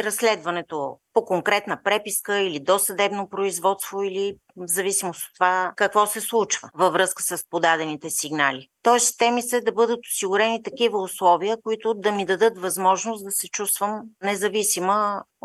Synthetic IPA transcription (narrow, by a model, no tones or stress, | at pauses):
ɾɐsːlɛd̪vɐnɛt̪opokoŋkɾɛt̪nəpɾɛpiskəilid̪osɐd̪ɛbnopɾoizvɔt̪st̪voili | zɐvisimoso̥t̪ːovakɐkvɔsɛslˠut͡ʃvəvɐvɾɤskə̥səspod̪ad̪ɛnit̪ɛsiɡnalit̪ɔɛst̪ɛmisəd̪ɐbɤd̪ət̪ʊ̥siɡʊɾɛnit̪ɐkivəʊslˠɔviəkoit̪ʊd̪ɐmid̪ɐd̪ɤt̪vɐzmɔʒnosd̪ɐsɛt͡ʃust̪vəmnɛzɐvisimə